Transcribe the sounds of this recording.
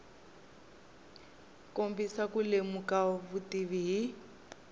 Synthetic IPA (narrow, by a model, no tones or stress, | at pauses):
kombisakulemukaβutiβiɦi